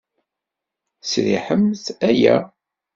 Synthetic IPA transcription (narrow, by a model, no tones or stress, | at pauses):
sɾḭħəmθæjæ̰